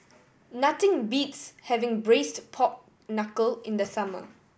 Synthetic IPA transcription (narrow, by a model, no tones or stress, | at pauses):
natɪ̃ŋbitshɛvɪ̃ŋbɹestpʰɔp̚ | nakəlɪ̃ndəsamə̰